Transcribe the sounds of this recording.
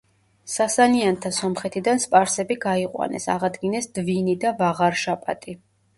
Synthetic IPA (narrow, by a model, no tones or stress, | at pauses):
sasaniant̪ʰasɔmχɛt̪ʰid̪anspʼaɾsɛbiɡaiqʼwa̰nɛ̰sa̰ʁad̪ɡinɛsd̪̥vinid̪avaʁaɾʃapʼa̰t̪ʼi